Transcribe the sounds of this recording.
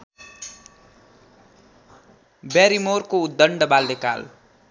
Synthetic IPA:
baɾimorkoud̪ːʌɳɖʌbald̪eka̰l

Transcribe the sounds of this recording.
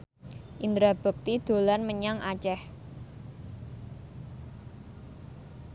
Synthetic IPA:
ʔind̪ɾab̥ə̤k̚t̪id̪̥o̤lanməɲaŋʔat͡ʃɛh

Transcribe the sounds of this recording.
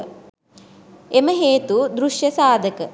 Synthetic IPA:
eməɦeːt̪ud̪ɾuʂjɐsaːd̪əkə

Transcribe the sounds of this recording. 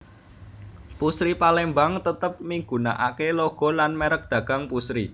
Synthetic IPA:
pusɾipalembaŋt̪ət̪əp̚miŋɡṳna̰ʔakeloɡ̥ɔ̤lanmeɾək̚d̪̥ä̤ɡ̥a̤ŋpusɾi

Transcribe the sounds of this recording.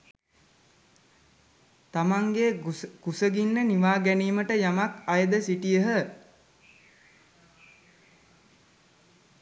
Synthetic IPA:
t̪amaŋɡeɡusəɡinːəniʋaːɡæniːməʈəjamakajəd̪əsiʈijəɦə

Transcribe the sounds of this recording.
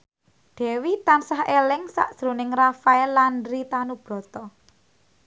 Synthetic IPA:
ɖ̪̥ɛ̤wit̪ansahelɪŋsa̰ʔd̥ʒ̥ɾonɪŋrafaɛlanɾit̪anub̥ɾɔ̤t̪ɔ

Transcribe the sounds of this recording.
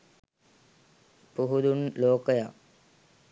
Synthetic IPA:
puɦud̪unloːkəja

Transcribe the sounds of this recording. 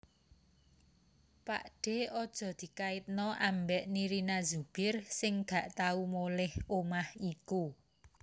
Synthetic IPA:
pa̰ʔɖ̥e̤ɔd̥ʒ̥ɔ̤d̪̥i̤kaɪt̪̚nɔʔambɛʔniɾinazub̥ɪrsɪŋɡ̥a̤ʔt̪aumolɪhomahiku

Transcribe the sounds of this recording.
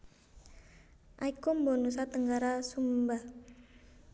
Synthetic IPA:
ʔaikumbonus̬at̪əŋɡaɾasumba

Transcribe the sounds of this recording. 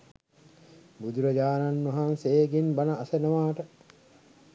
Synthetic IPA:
bud̪uɾɐd͡ʒaːnanːɐɦanseːɡinbɐnɐʔːsenəʋaːʈə

